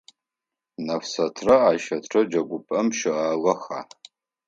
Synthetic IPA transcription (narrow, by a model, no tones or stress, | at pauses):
nɐfsɐtʰrɐaːʃɐtʰʈ͡ʂʰɐd͡ʒɐɡʷʊpʼɐmʃɪʔaːɣɐxaː